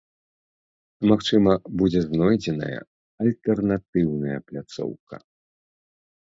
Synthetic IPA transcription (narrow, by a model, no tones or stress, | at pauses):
maxt͡ʂɨmɐbud͡zʲɛznɔjd͡zʲɛnɐ̰jɐ̰ | ɐlʲt̪ɛrnat̪ɨwnɐjɐ̰plʲat̪sɔ̰wkɐ̰